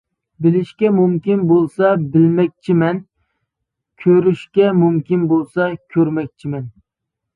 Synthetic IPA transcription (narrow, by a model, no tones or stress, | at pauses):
bɪlɪʃkʲɛmumkʲinbolˠsɑbɪlmɛk̚ʲt͡ʃʰimɛn | kʲʰøɾyʃkʲɛmumkʲinbolˠsɑkʲʰøɾmɛk̚ʲt͡ʃʰimɛn